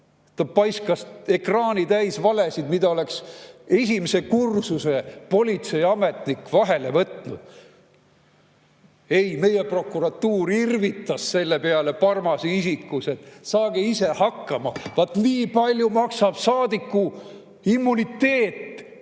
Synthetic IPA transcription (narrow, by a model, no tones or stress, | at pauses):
t̪ɑpɑjskɑse̞krɑːnit̪æjsvɑle̞sid̪̥mid̪̥ɑo̞le̞kse̞s̬ʲimese̞kursuse̞po̞lʲit̪se̞jɑme̞t̪ˑnikːvɑɦe̞le̞vɤt̪nud̪̥ | e̞jme̞je̞pro̞kːˑuɾɑt̪ːuːɾirvit̪ːˑɑsse̞lːe̞peɑle̞pɑrmɑseisikːˑuse̞t̪ːˑsɑːɡ̥eise̞hɑkːɑmɑvɑt̪ːniːpɑlʲjumɑksɑb̥sɑːd̪ikːu | imːunit̪ːe̞ːt̪ː